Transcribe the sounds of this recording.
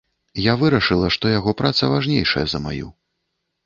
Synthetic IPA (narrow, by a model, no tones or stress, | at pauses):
javɨɾɐʂɨlˠɐʂt̪ɔjaɣɔpɾat̪sɐvaʐnʲejʂɐjɛzɐma̰jṵ